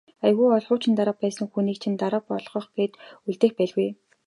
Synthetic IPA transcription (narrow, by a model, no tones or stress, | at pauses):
ajɣuːɔɮʁʊːt͡ɕɪ̆nt̪aɾə̆p̚pæːsə̆ŋxuniːkt͡ɕʰĭnt̪aɾə̆pɔ̰ɮʁɞ̆χɡeːt̪uɮt̪eːxpæɮɣuj